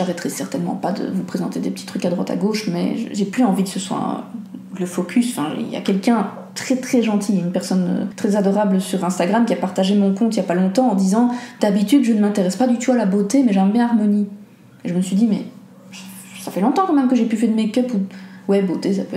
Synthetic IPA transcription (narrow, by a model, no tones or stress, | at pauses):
ʒaʁɛt̪ʁɛsɛʁt̪ɛnmɑ̰̃pad̪ə̰vupχezɑ̃t̪ed̪epət̪i̥t̪χykad̪ʁwa̰t̪a̰ɡoʃmɛ̰ʒə̰ʒeplyɑ̃vikə̥səswa̰ | ləfɔkʲʰysfɛ̰̃ḭlja̰kʲɛlkʲɛ̃ | t̪χɛt̪χɛʒɑ̃t̪ʰiynpɛʁsɔnø̰t̪χɛzad̪ɔʁabləsyʁɛ̃st̪aɡʁamkʲiapaʁt̪aʒemɔ̃kɔ̃t̪ilʲjapalɔ̃t̪ɑ̃ɑ̃d̪izɑ̃d̪̥abit̪yd̪ʒənəmɛ̃t̪eʁɛspad̪yt̪ualabot̪emɛʒɛ̃mbjɛ̃aʁmɔni | eʒəməsɥid̪imɛ̰ | safɛlɔ̃t̪ɑ̃kɑ̃mɛmkəʒepyfɛʁd̪əmekʲœpuwɛbot̪esapøɛ